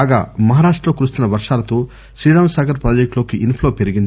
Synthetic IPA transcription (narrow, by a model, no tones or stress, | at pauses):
ɡa̰ːmɐɦaːɾaːʂʈɾɐloːkuɾust̪unːɐʋɐɾʂaːlɐt̪o̞ː | sɾiːɽaːmsaːɡɐɾpɾoːd͡ʒek̚ʈlo̞ːkiʔinpʰloːpe̞ɾiɡind̪